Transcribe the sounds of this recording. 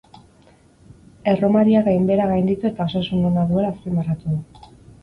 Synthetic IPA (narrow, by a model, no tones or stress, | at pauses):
e̞ro̞maɾiaɣajmbe̞ɾaɣajnd̪it̪ue̞t̪ao̞sasuno̞naðue̞laːspimarat̪uðu